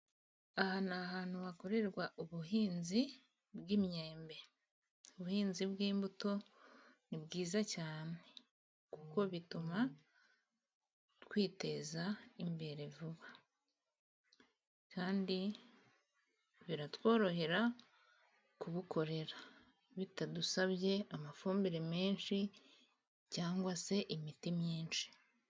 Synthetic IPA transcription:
ahanaːɦaːn̥huβako̞ɾe̞ɾɡwaʔuβuɦiːnzi | bɡimɲe̞ːmbe̞ | uβuhiːnzibɡiːmbuto̞ | nibɡiːzacaːne̞ | kuko̞βituma | twiːte̞zaimbe̞ɾe̞vuβa | kaːndi | βiɾatwo̞ːɾo̞ɦe̞ɾa | kuɡukʰo̞ɾe̞ɾa | βitadusaβje̞amafuːmbiɾeme̞ːnʃi | caːŋɡwase̞ʔimitimɲiːnʃi̥

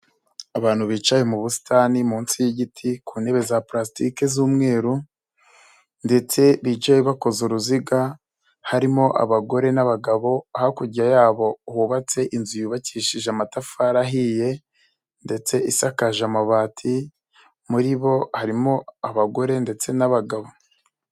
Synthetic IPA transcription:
aβaːn̥huβiːt͡ʃajemuβusi̥tʰaːnimuːnsijiɟitʰikuːne̞βe̞zapɾastike̞zuːmŋe̞ːɾu | nde̞t͡se̞βid͡ʒajeβako̞zoɾuziɡa | haɾimo̞ʔa̰βaɡo̞ɾe̞naβaɡaβo̞ahakuɟajaːβo̞huβat͡se̞ʔinzujuβaciʃiʒamatafaɾaɦije̞ | nde̞t͡se̞isakaʒamaβaːtʰi | muɾiβo̞haɾimo̞aβaɡo̞ɾe̞nde̞t͡se̞naβaɡaβo̞

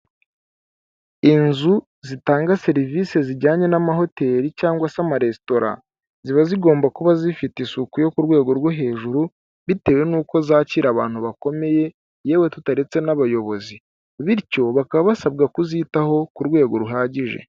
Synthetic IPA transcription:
inzu | zitaːŋɡase̞ɾivise̞ziɟaːɲe̞namaɦo̞te̞ːɾicaːŋɡwasamaɾe̞sto̞ɾa̰ | ziβaziɡo̞ːmbakuβazifitisukujo̞kuɾɡwe̞ːɡo̞ɾɡwoɦe̞ːʒuɾu | βite̞we̞nuːko̞zaːciːɾaβa̰ːn̥huβako̞me̞je̞ | je̞ːwe̞tutaɾe̞t͡se̞naβajo̞βo̞zi | βiɾco̞βakaβaβasabɡakuzitaho̞kuɾɡwe̞ːɡo̞ɾuɦaːɟiʒe̞̰

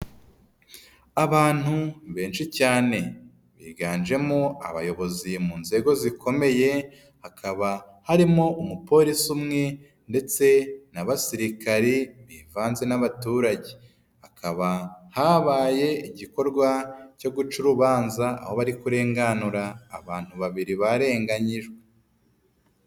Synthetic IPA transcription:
aβaːn̥huβe̞ːnʃicaːne̞ | βiːɡaːnʒe̞moa̰βa̰jo̞βo̞zimuːnze̞ɡo̞zikʰo̞me̞je̞ | hakʰaβa | haɾimoumupo̞ːɾisumŋe̞ | nde̞t͡se̞naβasiɾikaɾiβiːvaːnze̞naβatuːɾaɟe | akʰaβahaβaːje̞iɟiko̞ɾɡwaco̞ɡut͡ʃuɾuβaːnzaa̰ho̞βaɾikuɾe̞ːŋɡanuɾaːβaːn̥huβaβiɾiβaɾe̞ːŋɡaɲiʒɡwe

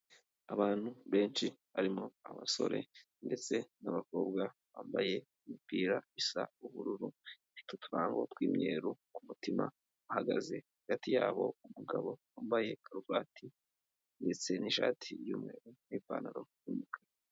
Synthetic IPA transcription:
aβaːn̥huβe̞ːnʃiβaɾimo̞aβaso̞̰ɾʔe̞̰ | nde̞t͡se̞naβako̞ːbɡaβaːmbaje̞ | imipiːɾaisa̰uβuɾuɾu | itutuɾaːŋɡotwiːmɲe̞ːɾukumutima̰ | ahaɡa̰ze̞haɡatijaːβo̞̰umuɡaβo̞waːmbaje̞kʰaɾuvaːtʰi | nde̞t͡se̞niʃa̰ːtʰijuːmŋe̞ːɾuniːva̰ːna̰ɾo̞̰jumukwe

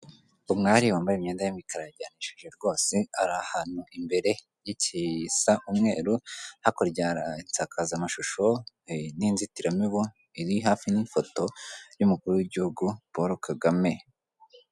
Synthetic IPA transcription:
umŋaːɾiwaːmbajemɲeːndajimikʰaɾaɟaniʃeʒe̞ɾɡo̞ːseaɾahan̥uʔimbe̞ɾe̞ | jicisaʔumŋe̞ːɾuhakoɾɟaɾaint͡sakazamaʃuʃo̞ | ninzitiɾamiβu | iɾiɦaːfinifo̞to̞jumukuɾuwiɟihuɡupoɾokaɡame̞

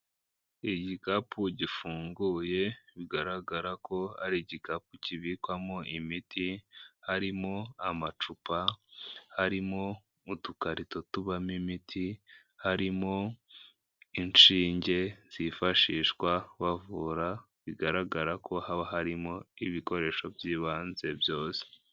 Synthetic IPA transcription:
iɟikapʰuɟifuːŋɡuːje̞βiɡaɾaɡaɾakʰo̞ha̰ɾiɟikapuciβikwamoʔimitʰihaɾimo̞amat͡ʃupa | haɾimo̞ | utukaɾito̞tuβamimitʰi | haɾimo̞ | int͡ʃiːɲɟe̞z̥ifaʃiːʃkwaβavuːɾa | βiɡaɾaɡaɾakʰo̞haaɦaɾimo̞iβiko̞ɾe̞ʃo̞bjiːβaːnze̞bjo̞ːse̥

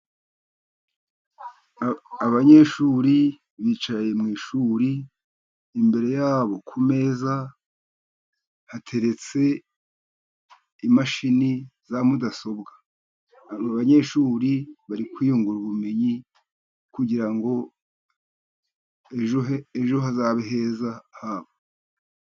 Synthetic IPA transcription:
aβaɲe̞ʃuːɾi | βiːt͡ʃaje̞mŋiːʃuːɾiː | mbe̞ɾe̞jaːβo̞kʰume̞ːza | hatʰe̞ɾe̞t͡se̞ | imaʃinizamudaso̞bɡḁ | aβaɲe̞ʃuːɾiβaɾikwiːjuŋɡuɾuβume̞ɲi | kuɟiɾaŋɡo̞ | eʒoeʒoɦazaβeɦeːzahaβo

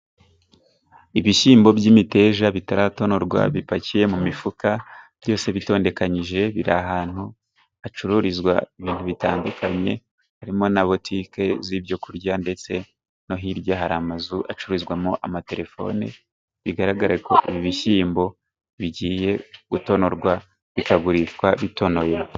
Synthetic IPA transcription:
iβiʃiːmbo̞bɟimite̞ːʒaβitaɾato̞no̞ɾɡwa̰βipacije̞mumifukab̥ɟo̞ːse̞βito̞ːnde̞kaɲiʒe̞βiɾa̰ɦaːn̥hu | at͡ʃuɾuɾizɡwa̰iβiːn̥huβita̰ːndukʰaɲe̞ | haɾimo̞naβo̞tʰiːke̞ziβjo̞kuɾɟande̞t͡se̞ | no̞ɦiɾjaɦaɾamazuʔat͡ʃuɾuɾizɡwamoʔamate̞ɾe̞fo̞̰nḛ | βiɡaɾaɡaɾako̞ʔiβiβiʃiːmbo̞ | βiɟiːje̞ɡ̥uto̞no̞ɾɡwa | βikaɡuɾit͡ʃwaβito̞no̞je

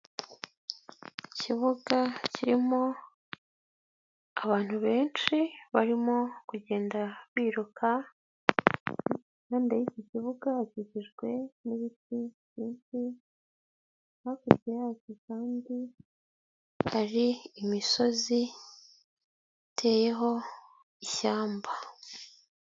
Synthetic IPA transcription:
iciβuɡaciɾimo̞ | aβaːn̥huβe̞ːnt͡ʃiβaɾimo̞kuɟe̞ːndaβiːɾukʰa | nandajiciciβuɡaciɟiʒɡwe̞niβitiβiːnsi | hakubɡejacikaːndi | haɾiːmiso̞zi | tʰe̞ːje̞ɦo̞ | içaːmba

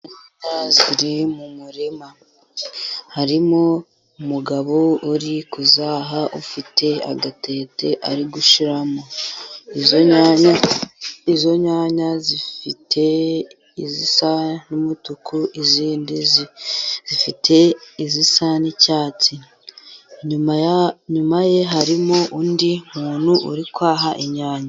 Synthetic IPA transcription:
inaziɾimumuɾima | haɾimo | umuɡaβouɾikuzaːɦaʔufitʰe̞a̰ɡate̞ːte̞ʔaɾiɡuʃiɾamoizoɲaa | izo̞ɲaːɲazifite | izisanumutukuʔiziːndiz | z̥ifitʰe̞izisanicaːt͡si | ɲuɲumaje̞ɦaɾimoʔundimuːn̤̥huʔuɾikwaːɦaʔiɲaːɲa

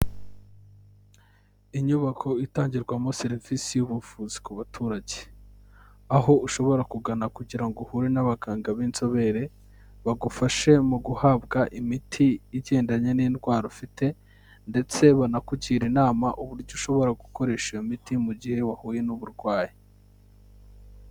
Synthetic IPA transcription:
iɲuβakʰo̞itaːɲɟiɾɡwamo̞se̞ɾivisijuβufuːzi̥kuβatʰuːɾaɟe̥ | aɦo̞ʔuʃo̞βo̞ɾakuɡanakuɟiɾaŋɡohuɾenaβaɡaːŋɡaβiːnzo̞βe̞ɾe̞ | βaɡufaʃe̞muɡuhaːbɡaʔimitʰiːɟe̞ːndaɲeniːndwaːɾofite̞ | nde̞t͡se̞βanakuɟiːɾinaːmaʔuβuɾɟoʃo̞βo̞ɾaɡuko̞ɾe̞ːʃijomitimuɟihe̞wahuːje̞nuβuɾɡwaːje

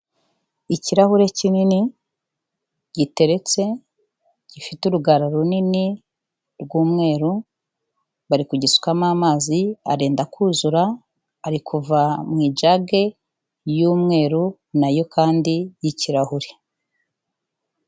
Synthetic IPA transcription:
iciɾahuɾe̞cinini | ɟ̥ite̞ɾe̞t͡se̞ | ɟ̥ifituɾuɡaɾaɾunini | ɾɡuːmŋe̞ːɾu | βaɾikuɟisu̥kamaːmaːzia̰ɾeːndakʰuːzuɾaː | ɾikʰuvamŋiːd͡ʒaɡe̞ | juːmŋe̞ːɾu | najo̞kaːndijiciɾahuɾe̞

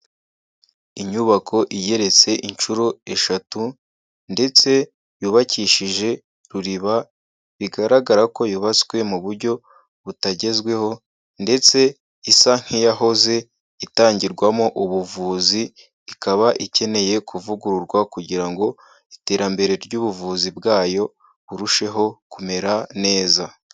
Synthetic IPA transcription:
iɲuβakʰo̞ʔije̞ɾe̞t͡se̞ʔint͡ʃuɾoe̞ʃatu | nde̞t͡se̞ | juβaciʃiʒe̞ | ɾuɾiβa | βiɡaɾaɡaɾako̞juβat͡skwe̞muβuɾɟo̞ | βutaɟe̞zɡwe̞ho̞ | nde̞t͡se̞ | isaŋ̥hijaɦo̞ze̞ | itaːɲɟiɾɡwamoʔuβuvuːziː | kaβaʔice̞ne̞je̞kʰuvuɡuɾuɾɡwakuɟiɾaŋɡo̞ | ite̞ːɾambe̞ɾe̞ɾɟuːβuvuːzibɡaːjo̞ | βuɾuʃe̞ɦo̞kume̞ɾane̞ːza

